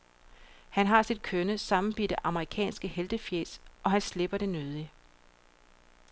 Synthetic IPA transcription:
hænɦɑ̈sid̥̚kʰønəsɑ̈mn̩b̥yd̥əʔɑ̈məʁikʰɛ̰ːnsɡ̥əheld̥əfjeːsʔɒ̽ɦænsleb̥ɐɾ̥e̝nøð̞ˠi

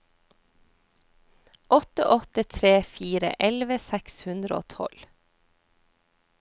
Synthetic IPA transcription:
ʔɔt̪ə̰ʔɔt̪ət̪ʰɾeːfiːɾə̰ʔɛlʋəsækshʉnd̪ɾəo̰ːt̪ʰɔ̰l

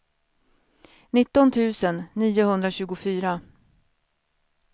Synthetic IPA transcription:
nɪt̪ːɔnt̪ʰʉ̟ːsənːiːʊhɵnd̪ɾaɕʉ̟ːɡʊfyːɾa

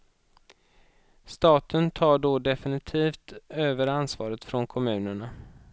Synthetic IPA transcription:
st̪ɑːt̪ʰənt̪ʰɑːɖɔɖ̪ɛfɪnɪt̪ʰiːft̪øːvəɾansvɑ̰ːɾət̪fɾɔnkʰɔmʉ̟ːnəɳa

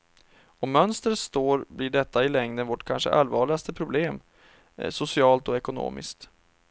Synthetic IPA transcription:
ɔmːœnst̪ɾət̪st̪oːɾblɪɖɛt̪ːaɪlɛŋd̪ənvɔʈkʰanʂə̰ʔa̰lvɑːɭɪɡast̪əpʰɾʊbleːm | sʊsɪɑːlt̪ɔɛkʊno̰ːmɪ̰skt̪

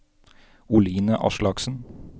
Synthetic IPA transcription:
ʊliːnəʔɑ̰ʃlɑksn̩

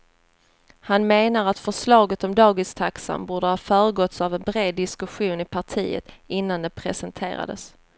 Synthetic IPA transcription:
hanmeːnaɾat̪fœʂlɑːɡət̪ɔmd̪ɑːɡɪst̪ʰaksa̰mbuːɖəhɑːfœːɾəɡɔt̪savɛnbɾeːd̪ːɪskɵɧuːnɪpʰaʈʰiːə̰t̪ɪnːand̪ɛpʰɾɛsɛnt̪ʰḛːɾa̰d̪ə̰s

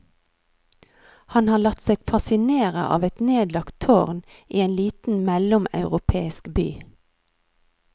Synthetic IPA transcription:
hɑnhɑːlɑt̪seːɡ̥fɑsɪneːʁə̰ʔɑ̰ːʋɛt̪neːd̪lɑkt̪ʰoːʁn | iːeːnliːt̪n̩mɛlʊmɑ̰ʉʁʊpʰeːɪskby̰ː

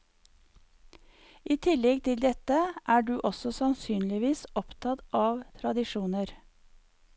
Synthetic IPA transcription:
ʔiːt̪ʰɪlɛɡt̪ʰɪld̪ɛt̪əʔæːɖʉːʔɔsɔsɑnsyːnlɪʋiːsɔpt̪ʰɑt̪ʔɑːʋt̪ʰɾɑd̪ɪʃuːnəɾ

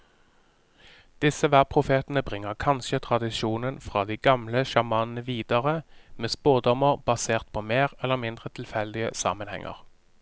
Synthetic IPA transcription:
d̪̥ɪsəʋæːʁpʰʁʊfeːt̪n̩əbʁɪŋːəʁkʰɑnʃət̪ʰʁɑd̪ɪʃuːnənfʁɑːd̪iːɡɑmləʃɑmɑːnnəʋiːd̪əʁəmeːspoːd̪ɔməʁb̥ɑseːʁt̪̚pʰoːmeːʁɛlːəʁmɪnd̪ʁət̪ʰɪl̩fɛld̪ɪə̰sɑ̰ːmənhɛ̰ŋʔə̰ʁ

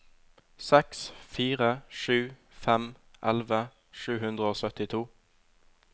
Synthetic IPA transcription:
sɛksfiːʁəʃʉː | fɛmʔɛlʋə | ʃʉːhʉnd̪ʁəoːsœt̪ɪt̪ʰuː

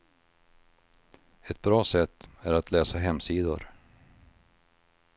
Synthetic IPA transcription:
ɛt̪̚bɾɑːsɛt̪ːæɾat̪ʰlɛːsaɦɛmːsiːd̪ʊ̰ɾ

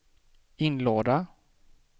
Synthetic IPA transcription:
ɪnloːd̪a

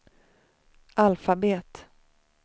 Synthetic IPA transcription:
ʔalfabeːt̪

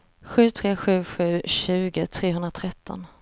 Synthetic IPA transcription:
ɧʉ̟ːt̪ʰɾeːɧʉ̟ːɧʉ̟ːɕʉ̟ːɡət̪ʰɾeːɦɵnd̪ɾat̪ʰɾɛt̪ʰːɔ̰n

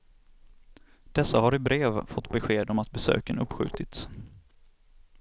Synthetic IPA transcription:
d̪̥ɛsːaɦaɾɪbɾeːvfɔt̪ːbɛɧeːd̪ɔmat̪̚bɛsø̰ːkənɵpːɧʉ̟̰ːt̪ɪt̪s

